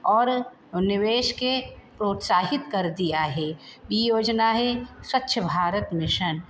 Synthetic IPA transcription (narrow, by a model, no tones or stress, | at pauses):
ɔːɾ | nɪʋeːʃkepɾoːt̪saːɦɪt̪kɐɾd̪ijaɦɛːbijoːd͡ʒnaɦɛswɐtːʃʰəbʱaːɾət̪mɪʃən